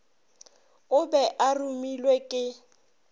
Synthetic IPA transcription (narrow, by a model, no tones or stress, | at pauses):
ʊbɛʔarumilwekʼɪ